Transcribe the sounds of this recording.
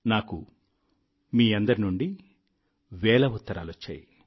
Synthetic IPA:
naːku | miːɐnd̪ɐɾinuɳɖi | ʋɛːlɐut̪ːɐɾa̰ːlot͡ʃːa̰ːji

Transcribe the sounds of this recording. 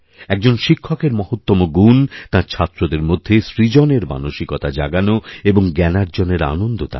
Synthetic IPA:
ɛk̚d͡ʑonʃikʰːokeɾmɔɦot̪ːomoɡunt̪ãɾt͡ɕʰat̪ːɾod̪eɾmod̪ʱːesɾid͡ʑoneɾma̰noʃikot̪ad͡ʑa̰ɡanoeboŋɡɛnaɾd͡ʑoneɾa̰nond̪ot̪a̰

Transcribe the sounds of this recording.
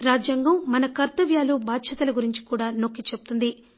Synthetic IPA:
ɾaːd͡ʒjɐŋɡɐmːɐnɐkɐɾt̪ɐʋjaːlubaːd̪ʃɐt̪ɐlɐɡuɾiɲt͡ʃi̥kuːɽaːno̞kːit͡ʃebut̪und̪i

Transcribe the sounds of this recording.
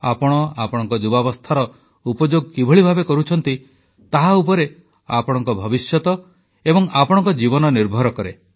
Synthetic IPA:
apɔɽ̃ɔapɔɽ̃ɔŋkɔd͡ʒubabɔst̪ʰaɾɔ | upɔd͡ʒoɡkibʱɔɭibʱabekɔɾut͡ʃʰɔnt̪i | t̪aɦaupɔɾe | apɔɽ̃ɔŋkɔbʱɔbisjɔt̪ɔ | ebɔŋapɔɽ̃ɔ̃ŋkɔd͡ʒibɔnɔniɾbʱɔɾɔkɔɾe

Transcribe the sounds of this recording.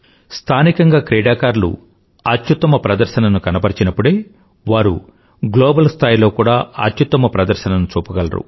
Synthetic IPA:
st̪ʰaːnikɐŋɡaːkɾɛːɖaːkaːɾlṵ | ɐt̪jut̪ːɐmɐpɾɐd̪ɐɾʃɐnɐnukɐnɐpɐɾit͡ʃinɐpːuɽeː | ʋaːɾṵ | ɡloːbɐlst̪ʰaːjilo̞ːkuːɽaːɐ̰t̪jut̪ːɐmɐpɾɐd̪ɐɾʃɐnɐnut͡ʃuːpɐɡɐlɐ̰ɾṵ

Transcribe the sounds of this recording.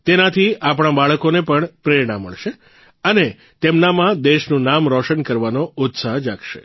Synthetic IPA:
t̪enat̪ʰiʔapɽ̃abaɭəkonepəɳpɾeɾɽãmə̰ɭʃe | əne | t̪emnamãd̪eʃnũnamɾɔʃənkəɾʋanoʊt̪saɦd͡ʒakʃḛ

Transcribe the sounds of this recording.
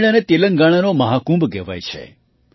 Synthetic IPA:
ɽ̃anet̪eləŋɡaɽ̃anoməɦakũmbɡɛʋa̰jt͡ʃʰḛ

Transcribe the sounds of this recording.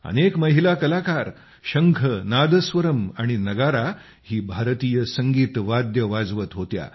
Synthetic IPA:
ə̰nekməɦilakəlakaɾ | ɕəŋkʰənad̪əsʋəɾəmaɽ̃inəɡaɾa | hiːbʱaɾt̪ijəsəŋɡiːt̪ʋad̪jəʋad͡zʋət̪ɦot̪ja̰

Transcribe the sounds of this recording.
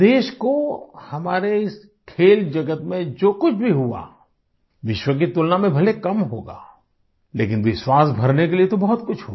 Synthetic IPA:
d̪eːʃkohɐmaːɾeɪs | kʰeːld͡ʒɐɡət̪mẽd͡ʒoːkʊt͡ʃʰbʱiɦua̰ː | ʋɪʃwək̬it̪ʊlnamẽbʱɐlekɐmɦoːɡa̰ː | lḛːkɪnʋɪswaːsbʱɐɾnekeliet̪obɔɦɔt̪kʊt͡ʃʰɦu

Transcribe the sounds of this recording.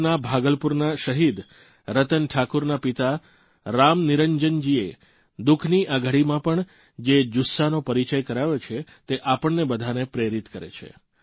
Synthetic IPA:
nabʱaɡəlpuɾnaʃəɦid̪ | ɾət̪ənʈʰakuɾnapit̪a | ɾamniɾəɲd͡ʒənd͡ʒie | d̪ukʰniʔaɡʱəɽimãpəɳ | d͡ʒed͡ʒusːanopəɾit͡ʃəjkəɾaʋot͡ʃʰet̪eʔapəɳnebəd̪ʱanepɾeɾit̪kəɾḛt͡ʃʰḛ

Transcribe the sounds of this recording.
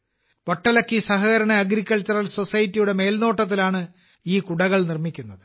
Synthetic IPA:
ʋɐʈːɐlɐkːisɐɦɐɣɐɾɐɳɐɐɡɾikʲːɐlt͡ɕːɐrɐlso̞sɐjɐtːijuɽe̞me̞ːlno̞ːʈːɐt̪̬ːilaːɳɨ | iːkuɽɐɣɐɭnirmikʲːunːɐðɨ

